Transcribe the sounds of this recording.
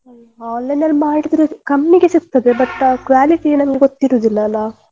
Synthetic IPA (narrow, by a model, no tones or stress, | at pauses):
ɐlː | aːnːɐjnɐlmaːɽid̪ɾekɐmːiɡe̞siɡ̚t̪ɐd̪e̞bɐʈkɾuaːliʈienɐmɡeɡot̪ːiɾuːd̪ilːɐːlːa